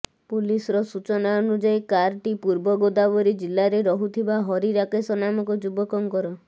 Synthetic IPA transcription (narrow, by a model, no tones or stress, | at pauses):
pulisɔɾɔsut͡ʃɔnaɔnud͡ʒajkaɾʈipuɾbɔɡod̪abɔɾid͡ʒilːaɾeɾɔɦut̪ʰibaɦɔɾiɾakesɔnamɔkɔd͡ʒubɔkɔŋkɔɾɔ